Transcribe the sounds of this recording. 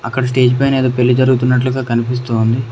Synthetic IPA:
ɐ̰kːɐɽɐs̬ʈe̞ːd͡ʒpɐjneːd̪oːpe̞lːid͡ʒɐɾuɡut̪unːɐʈ̬luɡaːkɐnipis̬t̪uːund̪i

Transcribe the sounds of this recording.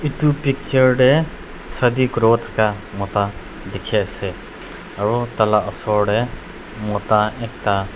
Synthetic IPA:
it̪upik̚t͡ʃəɾɖe | sɐd̪ikɾot̪ʰkamɔt̪a | d̪ɪkʰese | ɐɾot̪ɐlaʔɔsɔɖe | mɔt̪aek̚t̪a

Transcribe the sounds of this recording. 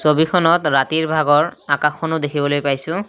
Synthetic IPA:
sobikʰɔnɔtɹatiɹbʱaɡɔɹakaxɔnʊdekʰibɔlojpajsʊ̃

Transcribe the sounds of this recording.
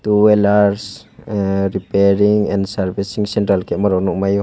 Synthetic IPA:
t̪uɛlaɾs | ɾipeɾiŋɛnsaɾbisiŋsɛntɾalkɛmaɾɔnumajɔ

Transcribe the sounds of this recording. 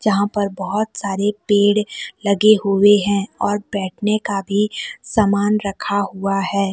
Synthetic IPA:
d͡ʒɐɦãpɐɾbɐɦʊt̪saːɾepeːɽlɐɡeɦueɦɛ̃ɔːɾbɛːʈʰnekabʱisamaːnɾɐkʰaɦuaɦɛː

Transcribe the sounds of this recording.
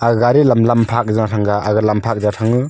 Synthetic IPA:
aɡaɾilamlampʰak̚zanatʰaŋɡaʔaɡɯlampʰak̚zatʰaŋɯ

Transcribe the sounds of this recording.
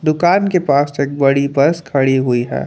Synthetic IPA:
d̪ʊkaːnkepaːseːk̚bɐɽibɐɾskʰɐɽiɦʊiɦɛ̰ː

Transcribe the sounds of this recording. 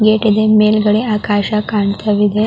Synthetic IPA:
ɡeːʈid̪emeːlɡəɽeaːkaːʃakaɳt̪ʰɐʋid̪e

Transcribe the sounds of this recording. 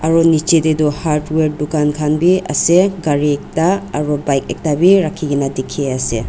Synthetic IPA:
aɾɔnit͡ʃededuhaɾtweɾ̚dukankʰanbiɐ̰seɡaɾik̚taːɾɔbajk̚ek̚tabiɾakʰːiɡinadikʰiasḛ

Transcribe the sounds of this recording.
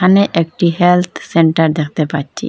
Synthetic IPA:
aneʔek̚ʈiɦɛlt̪ʰseɳʈaɾd̪ɛkʰt̪epatt͡ʃʰḭ

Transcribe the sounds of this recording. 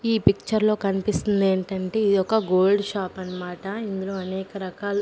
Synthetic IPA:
iːpik̚t͡ʃɐɾlo̞ːkɐnipist̪und̪e̞ːɳʈɐɳʈe̞ːid̪iɔkːɐɡo̞ːlɖʃaːpɐnːɐmaːʈɐind̪ulo̞ːɐnɛːkɐɾɐkaːlɐ

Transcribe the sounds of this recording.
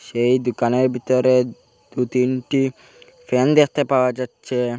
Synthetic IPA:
ʃejd̪ukaneɾbʱit̪ɔɾe | d̪̥ut̪inʈi | fʰɛnd̪ek̚ʰt̪epawad͡ʒatːʃʰe

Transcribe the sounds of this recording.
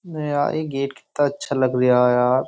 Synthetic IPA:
ja̰ːḛːɡeːʈkɪ̥t̪ːaɐtːʃʰalɐɡɾɪjaɦjaːɾ

